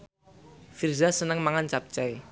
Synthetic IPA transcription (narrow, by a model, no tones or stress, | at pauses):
firzasənəŋmaŋant͡ʃap̚t͡ʃaj